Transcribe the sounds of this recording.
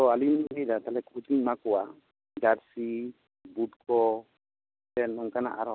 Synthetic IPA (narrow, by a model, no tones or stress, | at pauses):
ɔalinɡɛdat̪alɛkut̪iɲmakuwa | ɡaɾsi | butkɔ | tɛnmɔŋkana̰ʔaɾɔ